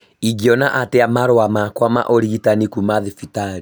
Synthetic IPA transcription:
iɡiɔnaʔateamaɾoamakwama̰ʔoɾiɣitanikumaðifitaɾi

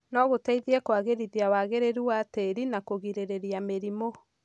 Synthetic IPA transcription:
nɔɣotɛiðiɛkwaɣeɾiðiawaɣeɾeɾuwateɾinakoɣiɾeɾeɾiameɾimo

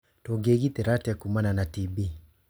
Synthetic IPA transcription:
tɔɡeɡitɛɾatakumananatibi

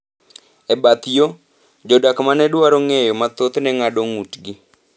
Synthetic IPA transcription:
ɛbat̪jo | d͡ʒodakmanɛdwaɾɔŋejɔmat̪ot̪nɛŋadoŋutɡi

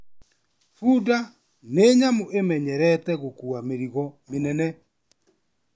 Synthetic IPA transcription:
fuda | neɲamoʔemɛɲɛɾɛtɛɣokuameɾiɣɔmenɛnɛ

